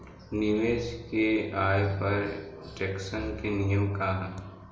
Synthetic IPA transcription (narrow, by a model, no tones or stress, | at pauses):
nimeːd͡ʒkeaːjpɐɾd͡ʒɛksənkenijəmkaːɦa